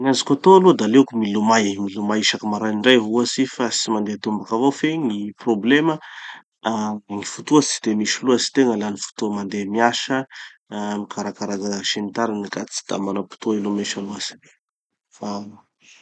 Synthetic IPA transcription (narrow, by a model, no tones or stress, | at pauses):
ɲazikʲat̪oaluəd̪alekumilumajmilumajiʃakimaɾaɳɖ͡ʐajɦuasifasimand̪et̪umbakavofeŋiproblemə | aŋifut̪uət͡si̥d̪̥emiʃiluasi̥t̪eŋəlanifu̥t̪uəmand̪emiaʃə | mikaɾakaɾaɡaʃenit̪aɾinikat͡si̥d̪̥a̰manapi̥t̪uilomeʃaluasi̥e | fa